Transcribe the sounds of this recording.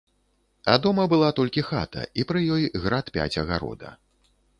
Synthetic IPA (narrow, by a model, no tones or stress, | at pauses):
ɐd̪ɔmɐbɨlˠat̪ɔlʲkʲixa̰t̪ʰɐ̰ipɾɨjɔjɣɾat̪pʲa̰t͡sʲɐɣaɾɔ̰d̪ɐ̰